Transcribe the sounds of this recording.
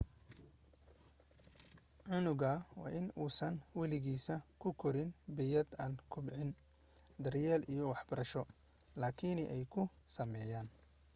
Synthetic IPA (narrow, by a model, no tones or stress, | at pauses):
ʕʊnʊɣɐwɑ̰ːʔɪnuːsɐnwɑlɪɣiːsɐkʰʊkʰɔɾɪnbɛjɐd̪aːnkʰʊbʕɪn | d̪ɐrjɛːlʔijɔwɑħbɐɾɐʃɔ | laːkʰinʔɛjkʰʊ | sɐmɛːjaːn